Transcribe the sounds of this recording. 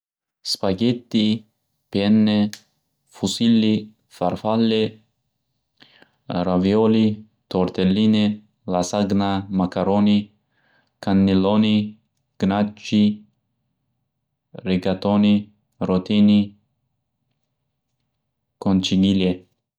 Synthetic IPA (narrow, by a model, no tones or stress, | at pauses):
spaɡet̪ːi | pɛnːe | fusilːi | farfalːe | ɾavjɔːli | t̪oɾt̪elːiːne | lasaɡnamakaɾoːni | kanːiloːni | ɡ̥nat͡ʃːi | ɾiɡat̪oːni | ɾot̪iːni | kont͡ʃiɡile